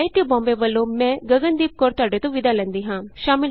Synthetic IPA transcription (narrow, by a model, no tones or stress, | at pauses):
it̪jəbɔ̃ːmbeʋəlːomɛ̃ɡɐɡənd̪iːp̚kɔːɾt̪aːɖet̪õʋɪd̪alɛ̃nd̪iɦãːʃaːmɪ